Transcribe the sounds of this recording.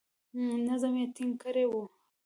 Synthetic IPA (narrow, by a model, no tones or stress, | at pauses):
nazamet̪iŋkəɾewu